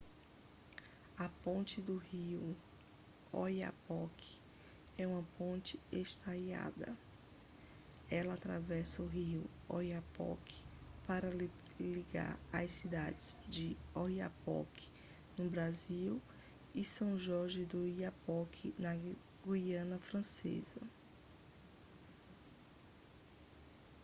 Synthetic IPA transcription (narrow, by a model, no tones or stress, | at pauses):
ɐpõnt͡ʃɪd̪ʊhiʊ | ɔja̰pɔkʰɪ̥ | ɛũmɐpõnt͡ʃɪest̪aja̰d̪ɐ̰ | ɛlɐat̪ɾavɛsɐʊɦiʊ | ojapɔ̰kʰɪ̥paɾɐ | liɡa̰ɾa̰sid̪ad͡ʒɪzd͡ʒɪɔiapɔ̰kʰɪ̥ | nʊbɾaziw | ɪsɐ̃w̃ʒɔɾʒɪd̪ʊiapɔkʰɪnɐ | ɡuiɐ̃nɐfɾɐ̃sḛzɐ̰